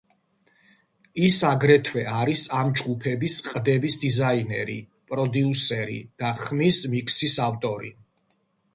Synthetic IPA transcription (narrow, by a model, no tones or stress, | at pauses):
isaɡɾɛt̪ʰwɛaɾisamd͡ʒɡupʰɛbisqʼd̪ɛbisd̪izainɛ̰ɾḭ | pʼɾɔd̪iusɛɾḭd̪̥aχmismikʰsisaft̪ʼɔɾḭ